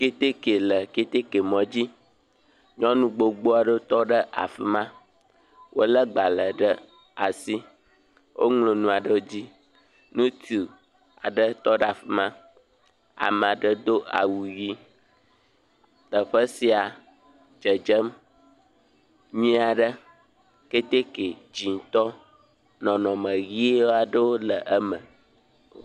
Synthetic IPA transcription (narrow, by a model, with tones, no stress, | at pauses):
ke˦t̪e˦ke˨lə˨ke˦t̪e˦ke˨mɔ̃˨d͡ʑi˦ | ɲɔ̃˦nũ˦ɡ͡bo˨ɡ͡bo˦a˨ɖə˦o˦t̪ɔ˦ɖə˦ʔa̰˨fɛ˨mã˦ | wʔo˦lə˦ɡ͡ba˨lə˨ɖə˦ | a˨si˦ | wʔo̰˦ŋlo˨nũ˦a˨ɖə˦o˦d͡ʑi˦ | nũ˦t̪i˨ | a̰˨ɖə˦t̪ɔ˦ɖa˨ɸɛ˨mã˦ | a̰˨mə̃˨a˨ɖə˦d̪o˦ʔa̰˨wu˨ɣi˦ | t̪ə˨ɸə˦si˨a˨ | d͡ʒə˨d͡ʒə˦m | ɲĩ˦a˨ɖə˦ | ke˦t̪e˦ke˨d͡ʑi˨t̪ɔ˦ | nɔ̃˨nɔ̃˨mə̃˨ɣi˦e˦wo˦a˨ɖə˦wo˦lə˨ʔə˦mə̰̃˨